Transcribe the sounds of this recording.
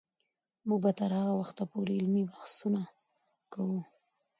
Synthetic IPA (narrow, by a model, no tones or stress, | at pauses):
muɡ̚bat̪aɾhaɣawaxt̪apoɾeɪlmibaxsuna | kawu